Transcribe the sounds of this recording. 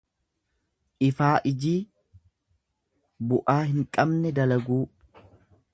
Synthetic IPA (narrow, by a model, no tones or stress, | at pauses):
ʔɪfaːʔɪd͡ʒiː | bʊʔaːhɪŋkʼɐbnɛd̪ɐlɐɡuː